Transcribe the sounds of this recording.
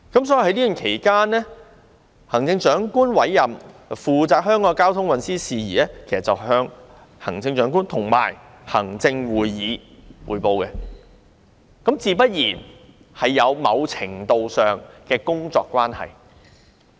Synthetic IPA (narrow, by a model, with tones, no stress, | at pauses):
kɐ˨˥msɔː˨˥ji˨˩hɐ˨˥jliː˥y˨nkʰe˨˩jkaː˥nːɛ˥ | hɐ˨˩ŋt͡sɪ˧ŋt͡ʃœː˨˥ŋkuː˥nwɐ˨˥jːɐ˨mfuː˨t͡saː˨˧k̚hœː˥ŋkɔː˧kaː˥wt̪ʰʊ˥ŋwɐ˨nsiː˥siː˨jiː˨ɛː˥kʰe˨˩sɐ˨˩t͡sɐ˨whœː˧ŋ | hɐ̰˨˩ŋt͡sɪ˧ŋt͡ʃœː˨˥ŋkuː˥nt̪ʰʊ˨˩ŋma̰ː˨˩j | hɐ̰˨˩ŋt͡sɪ˧ŋwuː˨jːiː˨˧wuː˨˩jpo˨˧wkɛ˧ | kɐ˨˥mt͡siː˧pɐ˥t̚jiː˨˩n | hɐ˨jːɐ˨˧wmɐ˨˧wt͡sʰɪ˨˩ŋt̪o˨˧wsœː˨ŋkɛː˧kʊ˥ŋt͡sɔ̰ː˧kʷːwaː˥nhɐ̰˨˩j